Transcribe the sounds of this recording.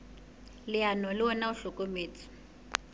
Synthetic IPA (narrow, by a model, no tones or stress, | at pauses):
lɪanɔlɪwɔnauɬukʼomeːt͡sʰi̥